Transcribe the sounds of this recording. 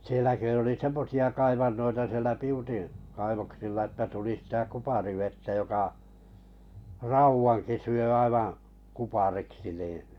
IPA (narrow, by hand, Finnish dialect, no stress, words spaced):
sielæ kø oli semːosiɑ kɑiʋɑnːoitɑ sielæ piutin kɑiʋoksilːɑ etːæ tuli sĭtæ kupɑriʋetːæ jokɑ rɑuwɑŋki syø ɑiʋɑ̃ː kupɑriksi nĩː